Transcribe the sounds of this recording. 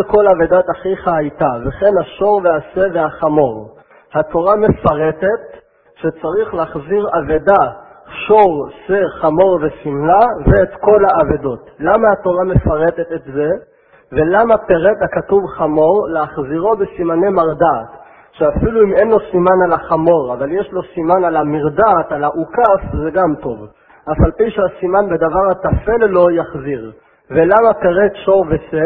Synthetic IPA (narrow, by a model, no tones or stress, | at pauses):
ko̞lavedataχiχaajtaveχe̞nhaʃo̞ʁveaseveaχamo̞ʁ | hatʰo̞ʁame̞faʁet̪et̪ | ʃet͡saʁiχleaχziʁaveda | ʃo̞ʁseχamo̞ʁvesimlaveːt̪ko̞laavedo̞tlamahato̞ʁame̞faʁe̞t̪e̞t̪etze̞ | ve̞lamapeʁet̪akatuvχamo̞ʁleaχziʁo̞besimane̞maʁdaːt | ʃeafiluimenlo̞simanalaχamo̞ʁavaljeʃlo̞simanalamiʁdat̪alaʔukafzeɡamt̪o̞v | ʔafalpiʃeasimanbed̪avaʁat̪afelelo̞jaχziʁ | velamapeʁet̪ʃo̞ʁvese